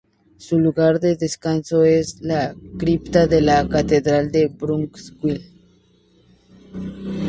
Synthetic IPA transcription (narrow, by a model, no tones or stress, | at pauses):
suluɣaɾd̪eðeskansoeslakɾipt̪aðelakat̪eðɾald̪ebɾuŋkskwil